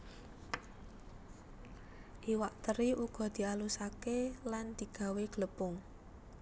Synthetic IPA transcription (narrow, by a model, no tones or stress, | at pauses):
ʔiwaʔt̪əɾiʔuɡ̥ɔ̤d̪̥i̤alusakeland̪̥i̤ɡ̥a̤weɡ̥ləpʊŋ